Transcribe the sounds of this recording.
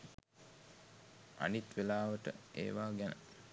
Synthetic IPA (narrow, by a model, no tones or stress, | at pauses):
a̰nit̪ʋelaːʋəʈə̰ḛːʋaːɡænə̰